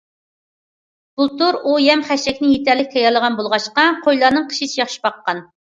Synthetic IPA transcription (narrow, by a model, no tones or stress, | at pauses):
b̥ulˠt̪uɾujɛmχɛʃɛkʲnɪjet̪ʰɛɾlːɪkʲt̪ʰɛjɑɾlˠəʁɑnbolˠʁɑʃqɑqʰojlˠɑɾnɨŋqʰə̥ʃit͡ʃʰijɑχʃi̥bɑqːɑn